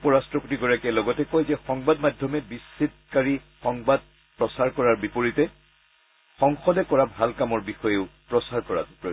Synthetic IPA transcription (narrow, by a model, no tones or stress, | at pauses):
pɔɹastɹɔputiɡɔɹakɛlɔɡɔtɛkɔjzɛxɔŋbadmadʱjɔmɛbisːit̚kaɹixɔŋbad̚ | pɹɔsaɹkɔɹaɹbipoɹitɛ | xɔŋxɔdɛkɔɹabʱalkamɔɹbixɔjeʊpɹɔsaɹkɔɹa̰tɔ